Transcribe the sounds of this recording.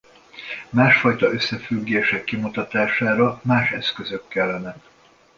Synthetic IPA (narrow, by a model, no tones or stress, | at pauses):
maːʃfɒjt̪ɒøsːɛfyɡːeːʃɛkːimut̪ɒt̪aːʃaːɾɒmaːʃɛskøzøkːɛlːɛnɛk